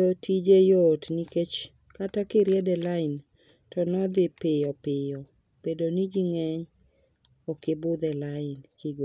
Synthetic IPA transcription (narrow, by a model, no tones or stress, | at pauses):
otid͡ʒejotniket͡ʃ | katakɪɾjɛdɛlaɪn | tɔnɔd̪ɪpɪɔpɪjɔ | pedonid͡ʒiŋɛɲ | ɔkɪbʊd̪ɛlaɪnkɪɡo